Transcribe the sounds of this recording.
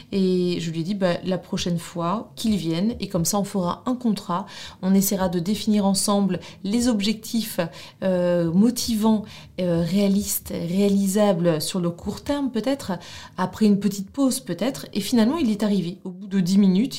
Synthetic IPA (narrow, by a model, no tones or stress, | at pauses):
eʒəlɥed̪ibalapχɔʃɛnfwakʲʰilvjɛnekɔmsaɔ̃fəʁaɛ̃kɔ̃t̪χaɔ̃nesɛjʁad̪əd̪efiniʁɑ̃sɑ̃bllezɔbʒɛk̚t̪ʰif | ømɔt̪ʰivɑ̃ | øʁealist̪ʁealizablsyʁləkʰuʁt̪ɛʁmpøt̪ɛt̪χapχɛynpət̪it̪̚pozpøt̪ɛt̪χḛfinalmɑ̃ilɛt̪aʁiveobud̪əd̪iminyt̪